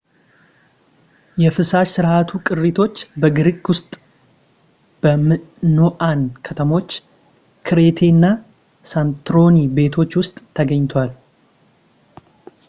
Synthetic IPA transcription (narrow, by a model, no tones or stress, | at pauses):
jɛfɨsaʃsɨɾʔat̪ʰukʼɨrːit̪ʰo̞t͡ʃːbəɡɨɾikʼwʊst̪ʼ | b̥əmɨnoʔankʰət̪ʰəmo̞t͡ʃː | kʰɨɾe̞t̪ʰe̞nːa | sant̪ɾo̞nibe̞t̪ʰo̞t͡ʃːwʊst̪ʼʰːəɡəɲːt̪ʰwal